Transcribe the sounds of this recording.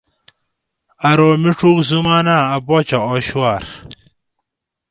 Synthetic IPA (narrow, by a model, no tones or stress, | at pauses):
ɐɾoːmiʈ͡ʂuːkzumaːnaːɐboːt͡ɕɐoɕuwaːɾ